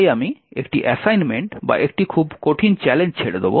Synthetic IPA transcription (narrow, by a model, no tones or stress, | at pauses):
jamiekʈiʔɛsajnmeɳʈba̰ʔek̚ʈikʰubkoʈʰint͡ɕɛleɲd͡ʑt͡ɕʰeɽed̪ebo̰